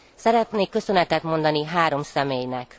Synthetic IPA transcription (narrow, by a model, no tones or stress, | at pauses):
sɛɾɛt̪neːkːø̞sø̞nɛt̪ɛt̪mo̞nd̪ɒniɦaːɾo̞msɛmeːjnɛk